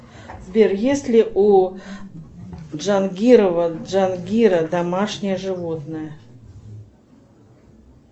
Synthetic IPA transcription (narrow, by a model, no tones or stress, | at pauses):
zʲbʲerjesʲlʲɪʔu | ʐanɡʲiɾəvəʐanɡʲiɾəd̪amaʂnʲɪjəʐɨvot̪nəjə